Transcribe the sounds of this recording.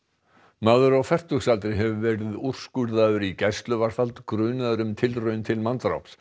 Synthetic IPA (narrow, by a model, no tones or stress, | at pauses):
maðʏɾawfɛr̥t̪ʏxsalt̪ɾɪɦɛvʏvɛːɾɪður̥skʏɾðaðʏɾicajst̪lʏvaɾ̥falt̪kɾʏːnaðʏɾʏmt̪ʰɪlrœːɥnt̪ʰɪlmant̪ɾa̰wps